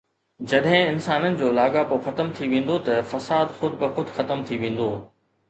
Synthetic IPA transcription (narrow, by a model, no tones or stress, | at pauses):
d͡ʑɐɗɦɪ̃ɪnsaːnənɪ̆d͡ʑoːlaːɠapoxɐt̪əmt̪ʰiʋẽːn̆d̪ot̪ɐfɐsaːd̪xʊd̪ʱɪkɪxʊd̪ʱxɐt̪əmt̪ʰiʋẽːn̆d̪oː